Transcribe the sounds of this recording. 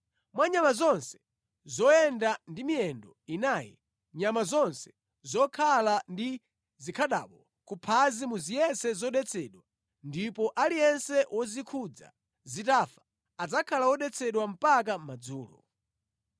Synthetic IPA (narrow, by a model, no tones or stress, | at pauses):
mwaɲamazɔnsɛ̥ | zɔjɛndandimiɛndɔinaːjɛ̰ | ɲamazɔnsɛ̥ | zɔkʰalandi | zikʰaɗa̰ːɓɔ | kupʰazimuzijɛsɛzɔɗɛt͡sʰɛɗwa | ndipɔʔalijɛnsɛwʔɔzikʰud͡za̰ | zitafḁ | ad͡zakʰalawɔɗɛt͡sʰɛɗwam̩pak̬am̩mad͡zuːlɔ̰